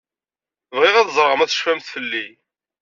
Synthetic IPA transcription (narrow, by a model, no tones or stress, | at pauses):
vʁɪʁæðzˤɾˤəʁəmæθə̥ʃfæmθθəlːi